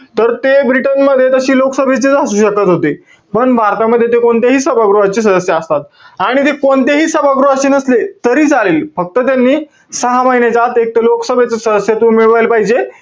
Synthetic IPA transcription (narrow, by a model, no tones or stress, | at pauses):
t̪əɾt̪ebɾiʈənməd̪ʱːjet̪əɕiːloksəbʱet͡ɕet͡səsuːɕəkat̪ɦot̪e | pəɳbʱaɾt̪aməd̪ʱːjet̪̬ekoɳt̪eɦiːsəbʱaɡɾoɦat͡ɕiːs̬əd̪əsjəəst̪at̪̚aɽ̃it̪ekoɳt̪eɦiːsəbʱaɡɾoɦat͡ɕinəslet̪əɾiːd͡zʱaleːlfək̚t̪ət̪janːiː | səɦaməɦinjat͡sat̪ek̚t̪əloksəbʱet͡səsəd̪əsjət̪uːmiɭʋajlpaɦid͡ʑe